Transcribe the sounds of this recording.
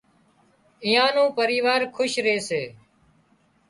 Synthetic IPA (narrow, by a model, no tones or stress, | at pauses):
iːãːnũːpəɾiːʋaːɾkʰʊʃɾeːseː